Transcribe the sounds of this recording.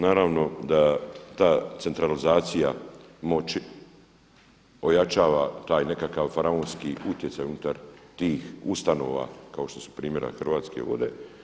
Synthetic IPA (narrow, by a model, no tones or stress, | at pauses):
naːɾaʋno̞d̪at̪aːt̪se̞nt̪ɾalizaːt̪sija̰mo̞t͡ʃi | o̞jat͡ʃaːʋat̪aːjne̞kakaʋfaɾaoːnskiut̪jet̪sajunut̪aɾt̪iːxust̪ano̞̰ːʋa̰kao̞ʃt̪o̞su̥pɾiːmje̞ɾa̰xr̩ʋaːt̪skḛʋo̰d̪e̞